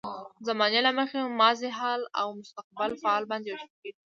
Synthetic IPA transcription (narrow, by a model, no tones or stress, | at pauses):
zamɑnelaməxemɑzeɦɑla̰wmʊst̪aq̚bɪlfaɑlbɑnd̪ewaʃaked̪